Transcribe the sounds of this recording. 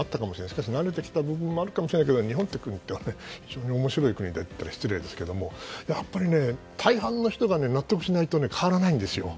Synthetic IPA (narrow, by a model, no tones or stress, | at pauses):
at̪ːakamo̞ɕienaiɕi̥kaɕ̬inaɾe̞t̪e̞kʲi̥t̪abɯ̟bɯ̟̃mːo̞aɾɯ̟kamoɕiɾenaiked̪oɲiɦõ̞nt̪ːekɯ̟ɲ̟it̪ːe̞βane̞çiʑo̞ːɲ̟io̞mo̞ɕiɾo̞ikɯ̟ɲ̟id̪et̪ːt̪ːaɾaɕi̥t͡sɨɾe̞ːd̪e̞sɨ̥ke̞d̪o̞mo̞japːaɾʲine̞ | t̪ʰaiɦãnːo̞çi̥t̪o̞ɡane̞nat̪ːo̞k̬ɯ̟ɕinait̪o̞ne̞kʰaβaɾanaĩnd̪e̞sɨjo̞̰